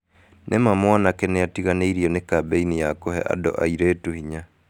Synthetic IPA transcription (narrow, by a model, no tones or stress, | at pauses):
nʔemamwanakɛneatiɣaneiɾiɔnekabeinijakohɛ̰ʔa̰dɔ̰ʔa̰iɾeːtuhiɲa